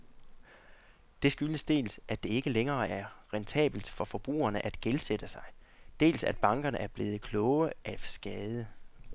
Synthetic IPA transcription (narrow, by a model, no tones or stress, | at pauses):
d̥e̝sɡ̥yləsd̥e̝̰ːlsʔæ̥d̥e̝e̝ɡ̥əleŋɐːæɐʁent͡sʰɛ̰ːb̥l̩d̥fɒ̽fɒ̽b̥ʁṵːɐnəʔæd̥ɡ̥elsed̥əsɑ̈ɪ | d̥e̝̰ːlsæd̥b̥ɑ̈ŋɡ̥ɐnəʔæɐb̥le̝ːð̞̩ˠəkʰlɔʊəʔæsɡ̥ɛːð̞ˠə